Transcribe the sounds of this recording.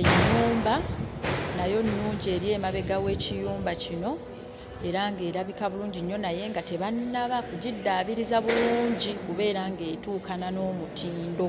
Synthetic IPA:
eɲːuːmba | najo̞nːuːɲɟie̞ːɾje̞ːmaβe̞ɡawe̞ːcijuːmbacino̞ | e̞ɾaŋɡe̞ːɾaβikaβuluːɲɟiɲːo̞naje̞ŋɡate̞βanːaβakuɟidːaːβiɾizaβuluːɲɟikuβe̞ːɾaŋɡe̞ːtuːkanano̞ːmutʰiːndo̞

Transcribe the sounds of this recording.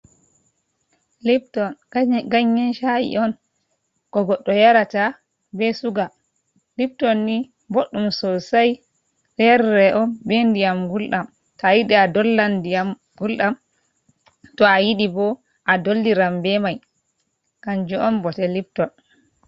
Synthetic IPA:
lip̚tɔnɡaɲːɛnʃajḭʔɔn | kɔɡɔɗːɔjaɾata | bɛsuɡa | lip̚tɔnːi | boɗːumsɔsaj | lɛɾːɛʔɔnbɛndijamɡulɗam | tɔajiɗiadɔlːandijam | ɡulɗam | tɔajiɗibɔ | ʔadolːiɾambɛmaj | kaɲd͡ʒɔɔnbɔtɛlip̚tɔn

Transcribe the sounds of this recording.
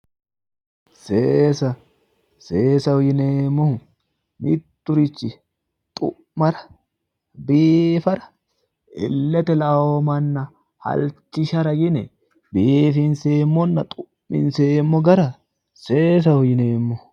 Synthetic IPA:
seːsɐ | seːsɐhʊjɪneːmːɔ | mɪ̰t̪ːʊɾɪt͡ʃːɪ | t̪ʼʊ̰ | mɐɾɐ̥ | biːfɐɾɐ̥ | ɪ̰lːɛt̪ɛlɐomɐnːɐ | hɐ̰lt͡ʃːɪʃɐɾɐɡɪnɛ | biːfɪnseːmːɔnːɐt̪ʼʊ | mɪ̰nseːmːɔɡɐɾɐ | seːs̬ɐhʊjɪneːmːɔ

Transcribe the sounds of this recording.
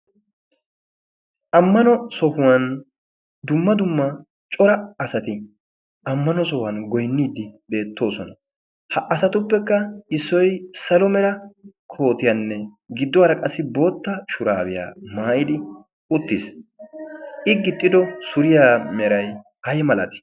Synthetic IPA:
ʔɐmːɐnɔsɔhʊwɐn | d̪ʊmːɐd̪ʊmːɐ | t͡ʃʼɔɾɐːsɐt̪ɪ | ɐmːɐnɔsɔhɐnɡɔjnːiːd̪ɪbe̞ːt̪ːo̞ːsɔnɐ | hɐʔɐsɐt̪ʊpːɛkːɐɪsːɔjsɐlɔmɛɾɐkʰo̞ːt̪ɪjanːɛ | ɡɪd̪ːɔɐɾɐkʼɐsːɪbo̞ːt̪ːɐʃʊɾaːbɪja̰ːmaːʔɪd̪ɪ | ʊt̪ːɪs | ʔɪɡɪt̪ʼːɪd̪ɔsʊɾɪjaːmɛɾɐj | hɐjɛmɐlɐt̪ɪ̥

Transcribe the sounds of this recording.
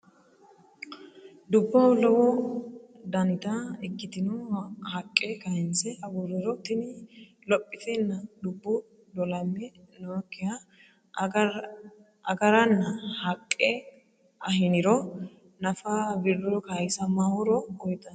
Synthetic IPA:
d̪ʊbːɔlɔwɔ | d̪ɐnɪt̪ɐɛkːɪt̪ɪnɔhɐkʼːɛkɐhɪnsɛhɐɡuɾɪɾɔt̪ɪnɪ | lɔpʼːɪt̪ɛnːɐd̪ʊbːɔ | d̪ɔlɐmːɛ | nɔkːɪja | ɐɡɐɾɐnːɐhɐkʼːɛ | ʔɐhɪnɪɾɔ | nɐfɐbɪɾɔkajɪsɐmahʊɾɔɔjt̪ʼːɐn

